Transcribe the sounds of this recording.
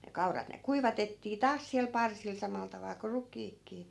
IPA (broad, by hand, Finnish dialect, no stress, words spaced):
ne kɑurɑt ne kuiʋɑtetːiː tɑːs siæl pɑrsil sɑmɑl tɑʋɑl ko rukˑiːkːiː